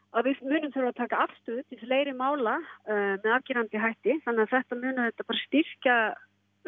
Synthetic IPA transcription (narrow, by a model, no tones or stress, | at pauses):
aðvɪðmʏːnʏmθɛɾaðt̪ʰaːkaafst̪ʏʏːt̪ʰɪlfleːjɾɪmaːwlamɛðavciɾant̪ɪɦajht̪ɪθanːɛaðθɛht̪amʏːnʏθɛht̪apaːɾast̪ir̥ca